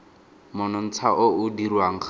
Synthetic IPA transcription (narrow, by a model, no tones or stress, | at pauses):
mʊnɔn̩t͡sʰaʔoʊdiɾwaŋ̩χ